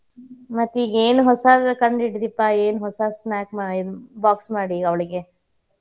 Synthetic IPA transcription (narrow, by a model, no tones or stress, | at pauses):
mɐt̪ːiːɡeːnɦɔsɐkɐɳɖiʈd̪ipːaeːnuɦɔsɐsnaːkmaːɽibaːksmaːɽiɐʋɐɭiɡe